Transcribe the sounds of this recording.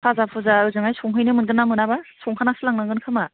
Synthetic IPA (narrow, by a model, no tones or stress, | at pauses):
pʰazapʰuzaɯzɯŋajsɔŋɦɯjnɯmɯnɡɯnːamɯnabasɔŋhʰanasɯlaŋnaŋɡɯnkʰɯma